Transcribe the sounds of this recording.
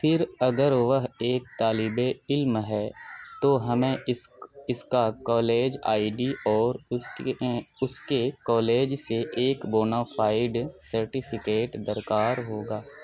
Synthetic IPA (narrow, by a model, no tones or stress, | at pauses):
fʰɪɾɐɡəɾʋəɦeːk̚t̪aːlɪbeɪlmɦɛt̪oːɦɐmẽ | ɪskakɔːleːd͡ʒa̰ːiɖiʔɔːɾ | ʊskekɔːleːd͡ʒseʔeːkboːnaːfʰaːɪɖsəɾʈipʰɪkeːʈd̪əɾkaːɾɦoːɡaː